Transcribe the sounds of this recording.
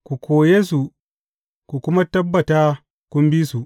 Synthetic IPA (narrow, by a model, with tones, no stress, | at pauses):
ku˨kʷʰoː˨jeː˦su˨ | kʷu˨kʷʊ˦ma˦tɐ˦bːɐ˨taː˦ | kʷʊ˦mbiː˦su˨ʔ